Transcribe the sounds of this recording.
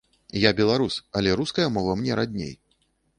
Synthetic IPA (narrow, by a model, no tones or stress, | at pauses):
jabʲɛlˠaɾusɐlʲɛɾuskɐjɐmɔvɐmnʲɛɾad̪ʲnʲḛj